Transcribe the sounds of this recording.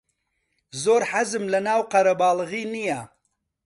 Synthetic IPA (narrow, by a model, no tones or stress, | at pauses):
zoːɾħazɨmlɐnaːwqɐɾɐbɑːlɨɣiːnija